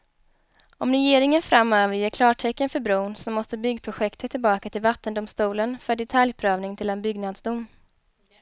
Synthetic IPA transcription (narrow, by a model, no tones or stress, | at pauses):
ɔmɾɛjeːɾɪŋənfɾamːøːvəɾjeːkʰlɑːʈʰɛkːənfœɾbɾuːnsɔmːɔst̪əbʏɡːpʰɾʊɧɛkt̪ʰət̪ʰːɪlbɑːkat̪ʰɪlvat̪ːənd̪ʊmst̪uːlənfœɖɛt̪ʰaljpʰɾøːvnɪŋt̪ʰɪlɛnbʏɡnad̪sd̪ʊmː